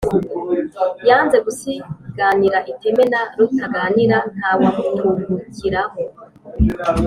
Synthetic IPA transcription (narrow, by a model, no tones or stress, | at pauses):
jaːnze̞ɡusiɡ̥aniɾaʔitemenaɾutaɡaːniɾan̥haːwamutʰumucʰiɾaɦo